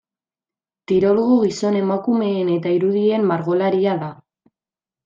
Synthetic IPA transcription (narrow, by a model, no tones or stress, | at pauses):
t̪iɾo̞loɣuɣiso̞ne̞makume̞ːne̞t̪aiɾuðie̞mːaɾɣo̞laɾiaða